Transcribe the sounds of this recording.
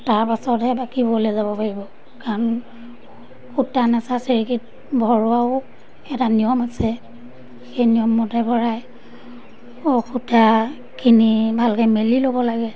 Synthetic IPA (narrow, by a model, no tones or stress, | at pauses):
taɹpasɔtɛbakibɔlɛzabɔpaɹibɔ | kaɹɔn | kʰutanasaseɹikit̚ | bʱɔɹʊaʊ | ɛtanijɔmasɛ | xejnijɔmːɔtɛbʱɔɹaj | okʰuta | kʰinibʱalkɛmelilobɔlaɡɛ